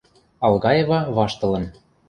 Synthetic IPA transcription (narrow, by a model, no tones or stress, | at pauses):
ɑlˠɣɑjevɑβɑʃt̪ɤ̆lɤ̆n